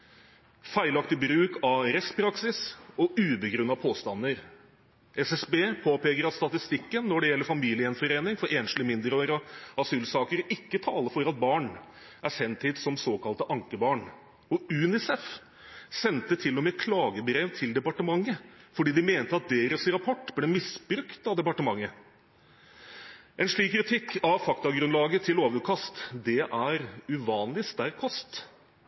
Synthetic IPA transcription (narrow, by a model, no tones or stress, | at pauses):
fæɪlɑkt̪ɪbɾʉːkʰɑɾɛst̪pʰɾɑksɪsɔʉːbəɡɾʉnːɑpʰoːst̪ɑnːəɾ | ʔɛsɛsbeːpʰoːpeːkəɾɑt̪st̪ɑt̪ɪst̪ɪkːənːɔɖɛjɛlːəɾfɑmiːlɪəɛnfɔɾeːnɪŋfɔɾeːnʃlɪmɪnd̪əɾoɾɑsʉlsɑːkəɾɪkːət̪ʰɑːləɾfɔɾɑt̪̚bɑːɳ | ʔæʂɛnt̪ʰɪd̪sɔmsoːkɑlt̪əʔɑŋkəbɑːɳ | ɔʉːnɪsɛf | sɛnt̪ət̪ʰɪlːɔmɛːkʰlɑːɡəbɾeːʋt̪ʰɪld̪ɛpɑʈəmɑŋːəfɔɖiːd̪ɪmeːnt̪əɑt̪̚d̪eːɾəsɾɑpʰɔʈːblɛːmɪsbɾʉkt̪ɑʋd̪ɛpɑʈəmɑŋːə | ʔɛnʂɭiːkːɾɪt̪ʰɪkːɑʋfɑkt̪ɑɡɾʉnlɑːɡət̪ʰɪloːʋəəkʰɑst̪d̪ɛʔæɾʉʋɑːnlɪst̪æɾkʰɔst̪